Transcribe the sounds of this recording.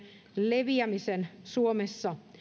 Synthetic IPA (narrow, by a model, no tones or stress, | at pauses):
leʋiæmisensuomesːɑ